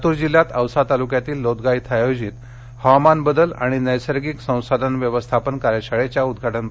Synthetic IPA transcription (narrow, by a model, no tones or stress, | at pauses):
t̪uːɾd͡ʑiljat̪əwsat̪alukjat̪iːlːod̪ɡait̪ʰajod͡ʑiːt̪ | hamanbəd̪əla̰ɽ̃inəjsəɾɡiksə̃w̃sad̪ʱənʋjəʋəst̪ʰapənkaɾjaɕaɭet͡ɕjaud̪ɡʱaʈənp